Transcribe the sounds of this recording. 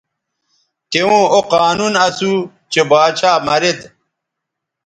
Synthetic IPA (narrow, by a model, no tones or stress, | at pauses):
t̪ewõːoqaːnunɐsu | t͡ɕebaːt͡ɕʰaːmɐɾet̪